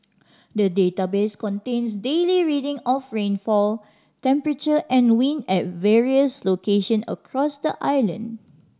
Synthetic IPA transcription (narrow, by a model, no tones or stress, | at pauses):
dədetabeskɔ̃ntẽnsdeliɹidɪ̃ŋɔfɹẽnfɔl | tɛ̃mpɹət͡ʃəʔɛ̃nwĩnɛt̚vɛɹiəslokeʃə̃nə̰kʰɹɔsdəʔajlə̰̃n